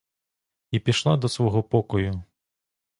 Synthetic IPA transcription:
ipʲiʃlˠad̪ɔsʋɔɦɔpɔkɔjʊ

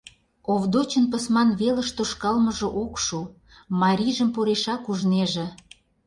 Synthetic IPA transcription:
oβd̪ot͡ɕənpəsmɑnβelə̆ʃt̪oʃkɑlməʒŏʔokʃu | mɑɾʲiʒəmpoɾeʃɑkuʒneʒĕ

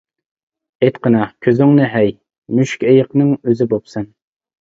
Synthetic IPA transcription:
et̪qʰənɑkʲʰøzɪŋnɪɦɛj | myʃkʲejəqnɨŋøzɪbopsɛn

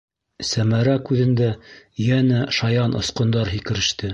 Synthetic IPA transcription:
sæmæɾækʉðɘ̆nd̪æjænæʃɑjɑnʔŏ̰sqŏnd̪ɑɾɦikɘ̆ɾɘ̆ʃt̪ɘ

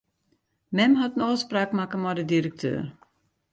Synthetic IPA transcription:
mɛmɦatn̩ɔːspraːkmakəmɔdədiɾək̚tʰø̰ːɾ

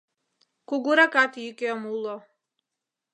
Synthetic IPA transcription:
kuɡuɾakʼat̪ʰiikʼɛɔmulɔ

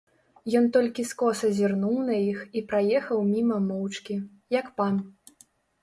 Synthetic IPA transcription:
jɔnt̪ɔlʲkʲiskɔsɐzʲirnuwnɐjixipɾajɛxɐwmʲimɐmɔwt͡ʂkʲi | jɐkpam

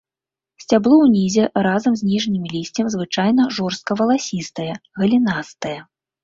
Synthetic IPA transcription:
sʲt͡sʲablˠɔwnʲizʲɛɾazɐmzʲnʲiʐnʲimʲilʲisʲt͡sʲɐmzvɨt͡ʂajnɐʐɔrst̪̚kɐvɐlˠasʲist̪ɐjɛɣɐlʲinast̪ɐjɐ

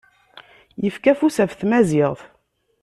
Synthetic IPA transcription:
jəfkæfusævθmæzɪʁθ

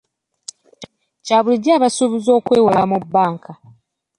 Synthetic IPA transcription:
caːβuliɟaːβasuβizo̞ːkwe̞ːwalamubːaːŋkʰa

